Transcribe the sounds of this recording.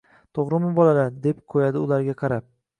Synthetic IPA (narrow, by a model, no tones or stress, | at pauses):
t̪ʰoʁɾɪmɪbɒlalad̪e̞p̚qʰojad̪ɪʊlaɾɡʲaqʰɑɾap̚